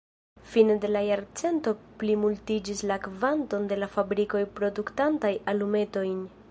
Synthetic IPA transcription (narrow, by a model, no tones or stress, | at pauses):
finede̞lajaɾt͡se̞nto̞plimultid͡ʒislakvanto̞nde̞lafabɾiko̞jpɾo̞duktantajalume̞to̞jn